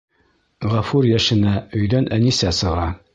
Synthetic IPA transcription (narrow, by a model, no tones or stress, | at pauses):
ʁɑfuɾjæʃɘ̆næɵ̆jðænʔænisæsɤ̆ʁɑ